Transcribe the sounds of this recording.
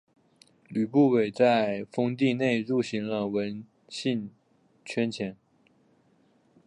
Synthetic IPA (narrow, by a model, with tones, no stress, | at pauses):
ly˨˩pu˥˩we˨˩ɪt͡sa˥˩ɪfɤ˥ŋt̪i˥˧ne˥˧ɪɻu˥˩ɕi˧˥ŋlə˧wə˧˥n | ɕi˥˧n | t͡ɕʰɥɛ˥nt͡ɕʰjɛ˧˥n